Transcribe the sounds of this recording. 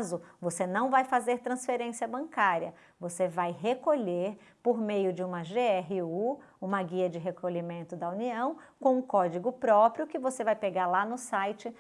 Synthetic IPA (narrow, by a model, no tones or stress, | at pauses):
zʊvosenɐ̃w̃vajfazeɾt̪ɾɐ̃sfeɾẽsiɐbɐ̃ŋkaɾiɐ | vosevajɦekoʎeɾ | poɾmejʊd͡ʒɪũmɐʒeɛɦɪu | ũmɐɡiɐd͡ʒɪɦekʰoʎimẽnt̪ʊd̪ɐuniɐ̃w̃ | kõw̃ʊ̃kɔd͡ʒiɡʊpɾɔpɾjʊkɪvosevajpeɡaɾlanʊsajt͡ʃɪ